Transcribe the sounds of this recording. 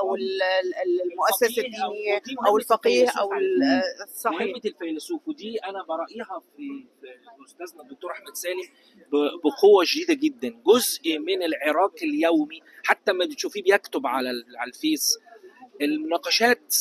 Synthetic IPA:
ʔæwelllmoʔæsːæsæd̪iʔæwelfɑqiːhʔæw | sˤɑħebelfælsuːfd̪iːʔænæbɑɾˤɑʔiːɦɑfifiʔost̪æːznæd̪ːok̚t̪oːɾˤʔaħmæd̪sæːlem | bbeqowːæʒd̪iːd̪æɡed̪ːænɡozʔimɪnelʕeɾˤɑːqeljæwmiħat̪ːæmæbet̪ʃuːfiːbejækt̪obʕalælʕælfeːsʔelmonɑːqɑʃæːt̪

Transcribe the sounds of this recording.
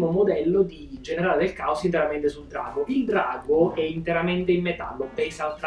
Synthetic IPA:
momod̪ɛlːod̪id͡ʒeneɾaːled̪elkaosint̪eɾament̪esuld̪ɾa̰ːɡoʔild̪ɾaːɡoɛint̪eɾament̪eimːet̪alːopɛnsalt̪ɾ

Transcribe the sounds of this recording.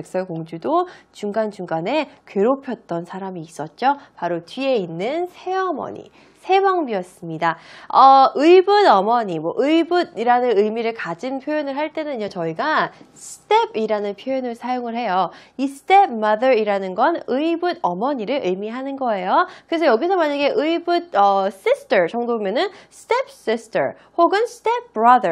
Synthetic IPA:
ek̚s͈ʌkoŋd͡ʑudot͡ɕuŋɡant͡ɕuŋɡane̞kɥeɾopʰjʌt̚t͈ʌnsʰaɾamiːs͈ʌt̚t͡ɕ͈opaɾotɥie̞inːɯnsʰe̞ʌmʌ̰ɲḭ | sʰe̞mʌŋbijʌs͈ɯmɲidaʌɯibɯnʌmʌɲimwʌʔɯibudiɾanɯnɯjmiɾɯɭkad͡ʑɯnpʰjojonɯɭɦaɭt͈e̞nɯɲot͡ɕʌiɡasʰɯ̥t͈ʰe̞biɾanɯnpʰjojonɯɭsʰajoŋɯɭɦe̞joisɯ̥tʰe̞p̚mʌdʌɾiɾanɯnɡʌnɯibɯdʌmʌɲiɾɯɭʔɯjmiɦanɯnɡʌe̞jokɯɾe̞s̬ʰʌjʌɡisʰʌmaɲaɡe̞ʔɯibɯd̚ʌs͈ist͈ɯɾt͡ɕʌŋdobomjʌnɯnsʰɯ̥tep̚s͈ist͈ʰə̰ | hoɡɯnsʰɯ̥tep̚p͈ːɾʌdə

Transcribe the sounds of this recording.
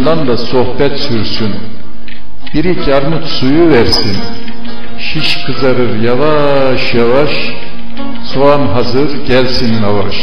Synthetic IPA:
d̪and̪asohbɛt̪syɾsyn | b̥iɾicʰaɾmut̪sujuvɛɾsin | ʃiʃkʰɯzaɾɯɾjava | ʃjavaʃ | sʰoanɦazɯɾɟɛlʲsinːavaʃ

